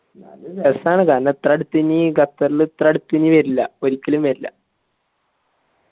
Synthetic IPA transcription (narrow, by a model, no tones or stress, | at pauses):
nalbesaːɳɨkaːɾnɐt̪rɐɽut̪ːiniɡɐt̪ːɐɾilɨt̪rɐɽut̪ːiniʋɐɾilːɐo̞ɾikʲːɐlumʋɐɾilːɐ̰